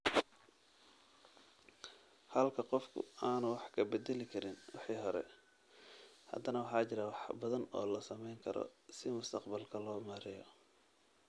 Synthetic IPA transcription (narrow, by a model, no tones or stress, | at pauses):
hɐlkʰɐqɔfkʰʊ̰aːnʊwɑħkʰɐbɛd̪ɛlɪkʰɐɾɪnwɑħiːɦɔɾɛ̰ | hɐ̰d̪ɐnɐwɑħɑːt͡ʃɪɾɐwɑħbɐðɐnɔːlɐsɐmɛjŋkʰɐɾɔ̰sɪmʊst̪ʰɐqbɐlkʰɐlɔːmɐɾɪjɔ